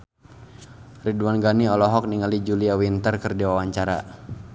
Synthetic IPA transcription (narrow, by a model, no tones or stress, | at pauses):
riduanɡaniɔlɔɦɔk̚niŋalid͡ʒuliawint̪ərkərdiwawaɲt͡ʃaɾa̰